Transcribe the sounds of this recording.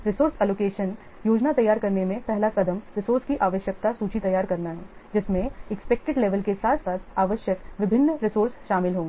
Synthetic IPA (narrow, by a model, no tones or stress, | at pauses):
ɾɪsoːɾsɛːloːkeːʃən | joːd͡ʒnat̪ɐjːaːɾkɐɾnemẽpɛɦlakɐd̪əmɾɪsoːɾskiʔaːʋəʃjək̚t̪asuːt͡ʃit̪ɐjaːɾkɐɾnaɦɛːd͡ʒɪsmẽɛkspɛk̚ʈɪɖleːʋəlkesaːt̪ʰsaːt̪ʰaːʋəʃjəkʋɪbʱɪnːɾɪsoːɾsʃaːmɪlɦõː